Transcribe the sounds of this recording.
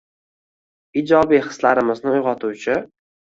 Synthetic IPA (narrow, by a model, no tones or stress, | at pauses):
id͡ʒɒbijχɨ̥slaɾɪmɪznɪʊjʁɒt̪ʰuwt͡ʃʰɪ